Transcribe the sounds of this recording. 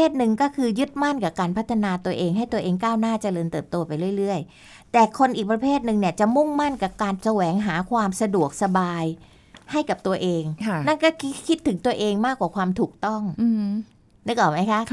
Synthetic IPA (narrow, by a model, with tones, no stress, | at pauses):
eː˥˩t̪̚nɯ˧ŋkɔː˥˩kʰɯː˧jɯ˦˥t̪̚ma˥˩nkaː˨˩kaː˧npʰt̪ʰːa˧naː˧t̪u˧ɐʔeː˧ŋɦa˥˩jt̪u˧ɐʔeː˧ŋkaː˥˩wnaː˥˩t͡ɕa˧˩lɤː˧nt̪ɤː˨˩p̚t̪oː˧ɐpa˧jɾɯ˥˩əjɾɯ˥˩əj | t̪ɛː˨˩kʰo˧nʔiː˨˩k̚pɾa˧pʰeː˥˩t̪̚nɯ˧ŋni˥˩ət͡ɕa˨˩ʔmu˥˩ŋma˥˩nka˨˩kaː˧nsa˧wɛː˩˦ŋɦaː˩˦kʰwaː˧msa˧du˨˩ək̚sa˧baː˧j | ha˥˩jka˨˩p̚t̪u˧ɐʔeː˧ŋʰ˥˩na˥˩nkɔː˥˩kʰi˦˥kʰi˦˥t̪ʰːɯ˩˦ŋt̪u˧ɐʔeː˧ŋmaː˥˩kːwaː˨˩kʰwaː˧mt̪ʰuː˨˩k̚t̪ɔ˥˩ŋ˧ | na˦˥˩kɔː˨˩ma˦˥jkʰa˦˥ʔ